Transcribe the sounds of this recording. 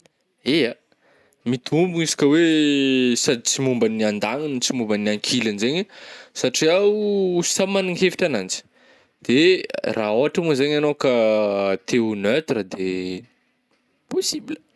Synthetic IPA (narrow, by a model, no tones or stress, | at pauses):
ea | mit̪umbuisi̥kʲəwe | sad̪t͡simumbəniand̪aŋint͡simumbənaŋkʰilanzeɲəsaʈ͡ʂiawussamanuŋɦefi̥ʈ͡ʂanand͡ʒi̥ | d̪̥eraoɦaʈ͡ʂəmuzeɲanokət̪ʰeunøt̪rad̪e | posibilə̥